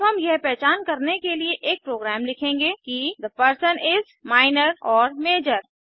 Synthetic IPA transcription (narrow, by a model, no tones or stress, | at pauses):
ɦɐmjɐɦpɛːt͡ʃaːnkɐɾnekelieʔeːk̚pɾoːɡɾaːmlɪkʰẽːŋɡekid̪əpəɾsənɪz | maːɪnəɾɔːɾmeːd͡ʒəɾ